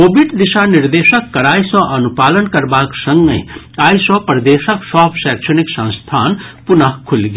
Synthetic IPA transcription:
kobiɖd̪isaniɾd̪esəkːəɾaisə̃ʔənupalənkəɾbaksəŋɡə̃j̃ | aisɔ̃pɾəd̪esəksɔbsɛksʰəniksə̃st̪ʰaːnpunəɦkʰulɡe

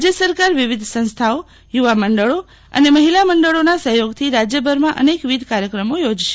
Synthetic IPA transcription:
d͡ʒjəsəɾkaɾʋiʋid̪ʱsə̃st̪ʰao | juʋaməɳɖəɭo | ə̰neməɦilaməɳɖəɭonasəɦjoɡt̪ʰiɾad͡ʒjəbʱəɾmãʔə̰nekʋid̪ʱkaɾjəkɾəmojod͡ʒʃe̥

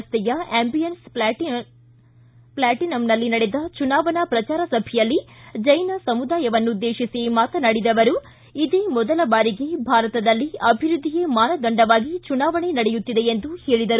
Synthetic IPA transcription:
st̪ɛjɐembijɐns | plaːʈinɐmnɐlːinɐɽed̪ɐt͡ʃunaːʋɐnɐpɾɐt͡ʃaːɾɐsɐbʱijɐlːid͡ʒɐjnɐsɐmud̪aːjɐʋɐnːud̪ːeːʃisimaːt̪ɐnɐɽid̪ɐʋɐɾu | id̪eːmɔd̪ɐlɐbaːɾiɡe̞bʱaːɾɐt̪ɐd̪ɐlːiɐbʱiɾud̪ʱːijemaːnɐd̪ɐɳɖɐʋaːɡit͡ʃunaːʋɐɳenɐɽejut̪ːid̪e̞end̪uhe̞ːɭid̪ɐɾu

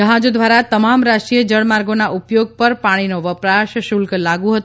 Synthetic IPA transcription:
əɦãd͡ʒod̪ʋaɾat̪əmamɾaʃʈɾiəd͡ʒəɽmaɾɡonaʔupjoɡ̚pəɾpaɽ̃inoʋəpɾaʃʃulklaɡũɦət̪

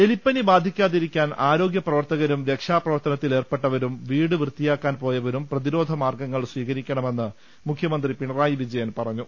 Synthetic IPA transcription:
e̞lipːɐnibaːd̪ʱikʲːaːðiɾikʲːaːnaːɾo̞ːɡjɐprɐʋɐrt̪ɐɣɐɾumɾe̞kʂaːprɐʋɐrt̪ɐnɐt̪ːile̞ːrpe̞ʈːɐʋɐɾumʋiːɽɨʋrɨt̪ːijaːkːaːnpo̞ːjɐʋɐɾumprɐðiɾo̞ːd̪ʱɐmaːrɡɐŋːɐɭsʋiːɣɐɾikʲːɐɳɐme̞nːɨ | mukʰjɐmɐnd̪ripiɳɐraːjiʋid͡ʑɐjɐnpɐrɐɲːu

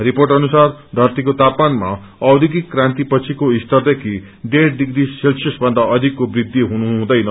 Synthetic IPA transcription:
ripoɾʈʌnusard̪ʱʌɾt̪ikot̪apmanma | ʌwd̪ʱiɡikːɾãnt̪ipʌt͡sʰikoist̪ʌɾd̪ekʰi | ɖeʈɖiɡɾiselsjʌsbʱʌnd̪aʌd̪ʱikːobɾid̪ʱːiɦunuɦũd̪ʌjnʌ

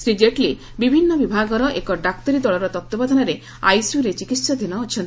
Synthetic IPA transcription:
sɾid͡ʒeʈli | bibʱinːɔbibʱaɡɔɾɔʔekɔɖakt̪ɔɾid̪ɔɭɔɾɔt̪ɔt̪ːɔbad̪ʱɔnɔɾe | a̰jsjuɾet͡ʃikit̪sɔd̪ʱinɔːt͡ʃʰɔnt̪i

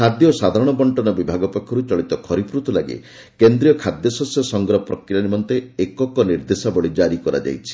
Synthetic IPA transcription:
kʰad̪jɔsad̪ʱaɾɔɽ̃ɔbɔɳʈɔnɔbibʱaɡɔpekʰːɔɾut͡ʃɔɭit̪ɔkʰɔɾipɾut̪ulaɡḛ | kend̪ɾijɔkʰad̪jɔsɔsɔsɔŋɡɾɔpɾɔkɾijanimɔnt̪eekɔkɔniɾd̪esabɔɭid͡ʒaɾikɔɾa̰d͡ʒa̰jt͡ʃʰi̥

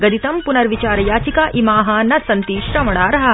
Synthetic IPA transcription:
ɡɐd̪it̪ɐmpunɐɾʋit͡ʃaːɾɐjaːt͡ʃikaːʔimaːɦɐnɐsɐnt̪iːʃɾɐmɐɳ̃aːɾɐɦɐ̆

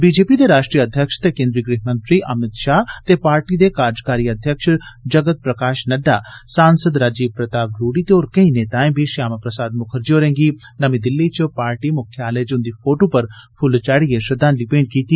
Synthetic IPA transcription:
biːd͡ʒeːpid̪eɾaːʃʈɾijaɐd̪ʱjəkʃt̪ekẽnd̪ɾiɡɾiːɦmɐ̃nt̪ɾiʔɐmɪt̪ʃaːɦt̪epaːɾʈid̪ekaːɾd͡ʒkaːɾiɐd̪ʱjəkʃd͡ʒɐɡət̪̚pɾɐkaːʃnɐɖːaːsaːnsəd̪ɾaːd͡ʒiːb̚pɾɐt̪aːʋɾuːɽit̪eoːɾkɐĩneːt̪aːẽbʱiʃaːmapɾəsaːd̪mʊkʰəɾd͡ʒioːɾẽːŋɡinɐmĩd̪ɪlːit͡ʃpaːɾʈimʊkʰjaːled͡ʒʊnd̪ifʰoːʈopɐɾpʰʊlt͡ʃaːɽieʃɐd̪aːnlipeːnkiːt̪i

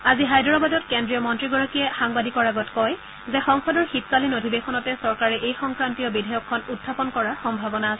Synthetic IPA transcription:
aziɦajdɔɹɔbadɔtkendɹijɔmɔntɹiɡɔɹɔkijɛxaŋbadikɔɹaɡɔtkɔj | zɛxɔŋxɔdɔɹxit̚kalinodʱibexɔnɔtɛsɔɹkaɹɛʔejxɔŋkɹantijɔbidʱajɔkʰːɔnutʰːapɔnkɔɹaɹxɔmbʱabɔnaːsɛ

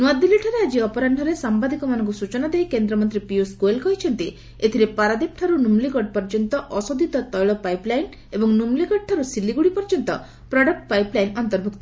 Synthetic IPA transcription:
nuad̪iliʈʰaɾead͡ʒiɔpɔɾaɳɖʱɔɾesambad̪ikɔmanɔŋk̬usut͡ʃɔnad̪ejkend̪ɾɔmɔnt̪ɾipioskoelkɔɦit͡ʃʰɔnt̪i | et̪ʰiɾepaɾad̪ip̚ʈʰaɾunumliɡɔɖ̚pɔɾd͡ʒɔnt̪ɔʔɔsod̪ʱit̪ɔt̪ɔjɭɔpajplajn | ebɔŋnumliɡɔɖ̚ʈʰaɾusilːiɡuɽipɔɾd͡ʒɔnt̪ɔ | pɾɔɖɔk̚ʈ̚pajplajnɔnt̪ɔɾbʱuk̚t̪ɔ

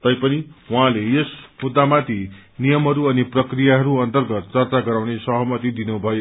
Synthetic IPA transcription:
t̪ʌjpʌniwɦãlejesmud̪ːamat̪inijʌmɦʌɾuʌniprʌkrijaɦʌɾuʌnt̪ʌrɡʌt̪t͡sʌrt͡saɡʌɾawnesʌɦʌmʌt̪id̪inubʱʌjo

